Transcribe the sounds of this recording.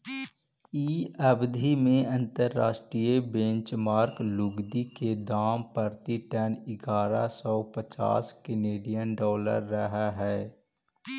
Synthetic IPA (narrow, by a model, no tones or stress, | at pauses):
iːəbd̪ʱimẽɐ̃nt̪əɾːa̰ːʃʈɾijebẽnt͡ʃmaːɾklʊɡd̪iked̪aːmpəɾt̪iʈɛnɪɡaːɾa̰sɔːpət͡ʃa̰ːskɪneːɖijənɖɔːlə̰ɾːəɦaɦɛː